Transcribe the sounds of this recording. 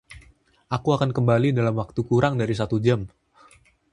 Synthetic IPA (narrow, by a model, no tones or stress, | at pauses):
ʔakuakankəmbalidalamwak̚t̪ukuɾaŋdaɾis̬at̪ud͡ʒam